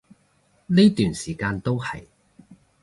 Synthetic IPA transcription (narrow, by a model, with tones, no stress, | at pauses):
niː˥t̪yː˨˩nsiː˨˩kaː˧nt̪o˥whɐ̰˨j